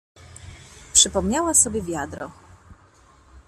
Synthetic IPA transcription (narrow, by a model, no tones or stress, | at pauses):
pʂɘpɔmɲawasɔbʲjɛvʲjad̪ɾɔ̰